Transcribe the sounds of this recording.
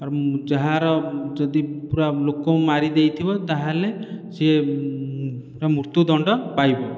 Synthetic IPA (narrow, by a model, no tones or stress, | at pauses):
aɾd͡ʒaɦãɾɔd͡ʒɔd̪ipuɾalokomaɾid̪ejt̪ʰibɔt̪aɦalese | ɾamuɾt̪ud̪ɔɳɖɔpajbɔ